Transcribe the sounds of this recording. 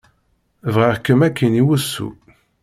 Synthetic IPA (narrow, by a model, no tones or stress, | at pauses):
vʁəʁkːəmækːəniwəsːṵ